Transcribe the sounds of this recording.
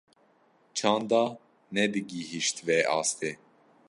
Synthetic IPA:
t͡ʃʰɑ̃ːnd̪ɑː | nɛbɨɡiɦiʃt̪vɛɑ̰ːst̪e

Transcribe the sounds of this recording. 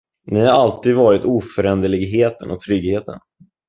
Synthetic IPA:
nɪhaɾalt̪iːd̪vɑːɾɪt̪uːfœɾɛnd̪əɭɪɡɦeːt̪ənɔ̰k̚t̪ʰɾʏɡheːt̪ə̰n

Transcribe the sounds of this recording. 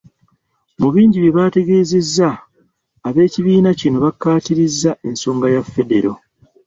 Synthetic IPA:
muβiːɲɟiβjeβaːte̞ɡe̞ːze̞zːaː | βe̞ːciβiːnacino̞βakːaːtiɾizːaʔe̞nso̞ːŋɡajafːe̞de̞ɾo̞

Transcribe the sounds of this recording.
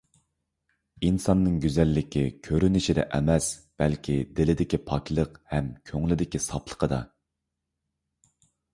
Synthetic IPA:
insɑnːɨŋɡʲyzɛlːɪkʲʰikʲʰøɾynɪʃid̪ɛ̰ʔɛmɛsb̥ɛlkʲʰid̪ɪlɪd̪ɪkʲipʰɑkʲlˠəqhɛmkʲʰøŋlɪd̪ɪkʲisɑplˠə̥qʰəd̪ɑ̰

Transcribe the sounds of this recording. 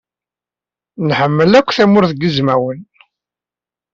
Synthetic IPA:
nħəmːəlækʷːθæmʊɾθɡəzmæwən

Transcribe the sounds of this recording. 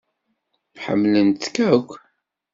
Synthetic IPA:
ħə̰mːlənt̪kækʷː

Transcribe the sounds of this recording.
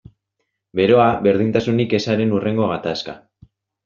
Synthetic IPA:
be̞ɾo̞aβe̞ɾð̞int̪asunike̞saɾe̞nure̞ŋɡo̞ɣat̪aska̰

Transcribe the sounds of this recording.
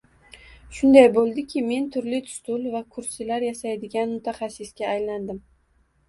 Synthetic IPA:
ʃʊnd̪ajbolˠd̪ɪkʲʰɪme̞nt̪ʰʊɾlɪt̪ʰʊ̥st̪ʊlvakʰʊɾsɪlaɾjasajd̪ɪɡʲanmʊt̪ʰaχasːɪsɡʲaːjland̪ɪm

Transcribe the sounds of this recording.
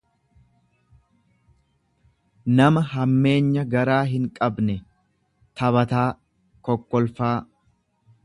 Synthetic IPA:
nɐmɐɦɐmːe̞ːɲːɐɡɐɾaːɦɪŋkʼɐbnɛ | t̪ɐβɐt̪aː | kɔkːɔlfaː

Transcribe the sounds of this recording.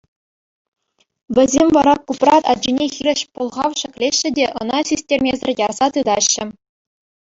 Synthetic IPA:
ʋʲɘ̆zʲemʲʋɑɾɑkuprɑt̪ɑ̰d͡ʑinʲexʲiɾʲɘ̆ɕpŭlˠʁɑʋɕɘ̆kʲlʲeɕːɘ̆dʲeʔɤ̰̆nɑsʲisʲtʲerʲmʲezʲɘ̆rʲjɑrz̥ɑt̪ɯd̪ɑɕːɘ̆

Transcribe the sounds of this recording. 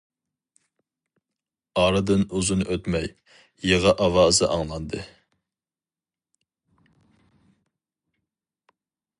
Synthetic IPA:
ɑɾɨd̪ɨnuzunʔøt̪mɛj | jeʁɑʔɑwɑːzɨʔɑŋlˠɑnd̪ɨ

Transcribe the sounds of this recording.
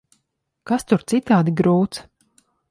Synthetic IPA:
kast̪uɾt̪sit̪aːd̪iɡɾuːt̪s

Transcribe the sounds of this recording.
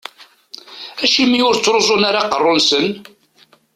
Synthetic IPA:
æʃimiʊɾt͡sːɾozˤʊnaɾɑqərˤːʊnsən

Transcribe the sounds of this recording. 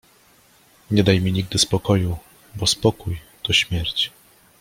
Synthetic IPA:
ɲɛd̪ajmʲiɲiɡ̚d̪ɘspɔkɔju | bɔspɔkuj | t̪ɔɕmʲjɛɾt͡ɕ

